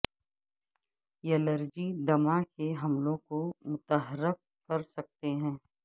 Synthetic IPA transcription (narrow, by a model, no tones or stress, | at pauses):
jɛləɾd͡ʒid̪ɐmakeɦɐmlõːɡkomʊt̪əɦəɾɪq̚kɐɾsɐk̚t̪eɦɛ̃ː